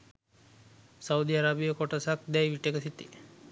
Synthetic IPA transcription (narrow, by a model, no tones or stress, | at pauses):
saud̪iaɾabijəkoʈosak̚d̪ɛjʋiʈekəsit̪ḭ